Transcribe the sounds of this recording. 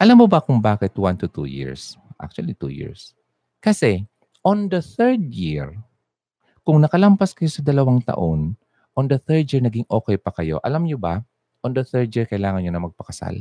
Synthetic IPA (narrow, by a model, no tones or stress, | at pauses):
ʔɐlamːobɐkʊŋbaːkɪt̪want̪ʊt̪ṵjɪ̰ɹsʔa̰k̚t͡ʃʊɐ̰lit̪ṵjḭɹs | kɐsɛ | ʔond̪ɐθɛɹd̪̚jiɹ | kʊŋnɐkɐlɐmpaskɐjo̞sɐd̪ɐlɐwaŋt̪ɐ̰ʔo̞n | ʔond̪ɐθɛɹd̪jiɹnɐɡɪŋʔoːkɛjpɐkɐjo̞̰ʔɐ̰lamɲobɐ | ʔond̪ɐθɛɹd̪̚jiɹkɐɪlaːŋɐnɲonɐmɐɡ̚pɐkɐsa̰l